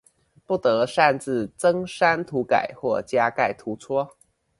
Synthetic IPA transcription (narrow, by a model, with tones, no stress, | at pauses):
pu˥˩t̪ɤ˧˦ʂa˥˧nt͡sɹ̩˥˩t͡sɤ˥ŋʂa˥nt̪ʰu˧˥ka̰˨˩˦ɪxwɔ˥˩t͡ɕja˥ka˥˩ɪt̪ʰu˧˥t͡sʰwɔ˥